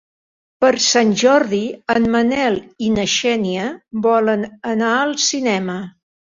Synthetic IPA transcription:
pəɾsanʲʒɔɾðiənmənɛlˠinəʃɛniəbɔlənənaəlˠsinɛmə

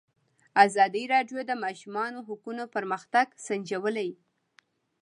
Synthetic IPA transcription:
azɑd̪iɾɑɖjod̪əmɑʃumɑnoɦʊkunopəɾməxt̪aɡsand͡ʒawəlaj

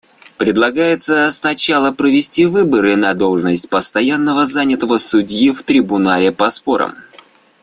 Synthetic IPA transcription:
pɾʲɪd̪lˠɐɡajɪt̪səsnɐt͡ɕalˠəpɾəvʲɪsʲtʲivɨbəɾɨnɐd̪o̞lˠʐɨnəsʲtʲpəst̪ɐjanːəvəzanʲɪt̪əvəsʊdʲjift̪ɾʲɪbʊnalʲɪpɐspo̞ɾə̰m

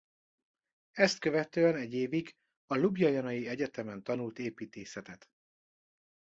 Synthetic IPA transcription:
ɛst̪køvɛt̪øːɛnɛɟːeːviɡ | ɒlubjɒjɒnɒjiɛɟɛt̪ɛmɛnt̪ɒnult̪eːpiːt̪eːsɛt̪ɛt̪

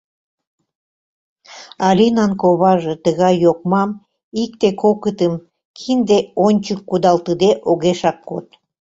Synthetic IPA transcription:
ɑlʲinɑnkoβɑʒet̪əɣɑjːokmɑm | ik̚t̪ekʰokət̪əm | kʰind̪eonʲt͡ɕəkːud̪ɑlt̪əd̪eʔoɣeʃɑkːot̪̚

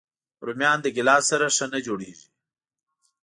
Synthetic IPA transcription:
ɾumjɑːnd̪əɡɪlɑsaɾaʂanad͡ʒoɽḛʒi

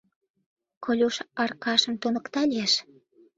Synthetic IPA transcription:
kʰolʲuʃɑrkɑʃə̆mt̪unə̆kt̪ɑlʲijeʃ

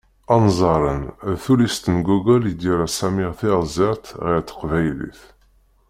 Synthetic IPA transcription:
ɑnzˤɑɾˤə̰nðθulist̪ənɡuɡələd̪iɾæsæmiʁθɪʁzɪʁt̪ʁɪɾt̪ːə̥qvæjlḭθ

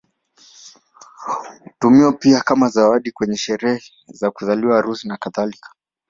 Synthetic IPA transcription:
tumiɔpiakamazawaɗikwɛɲɛʃɛɾɛhɛ | zakuzaliwaɾusinakaθalikḁ

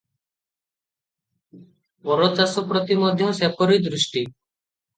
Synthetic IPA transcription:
pɔɾɔt͡ʃasɔpɾɔt̪imɔd̪ʱjɔsepɔɾid̪ɾuʃʈi

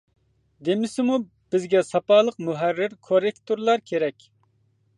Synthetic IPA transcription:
d̪emɪsɪmu | b̥ɪzɡʲɛsɑpɑːlˠəqmuɦærːɪɾkʰoɾekt̪ʰoɾlˠɑɾkʲʰeɾɛkʲ

